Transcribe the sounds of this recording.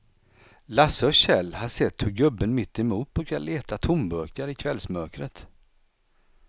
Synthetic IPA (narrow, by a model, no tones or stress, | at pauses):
lasɔɕɛlːhasɛt̪ːhɵɡɵbːənmɪt̪ːɛmuːt̪ɔkʰaleːt̪at̪ʰʊmbœːkaɾɪkʰvɛlsmœɾkɾət̪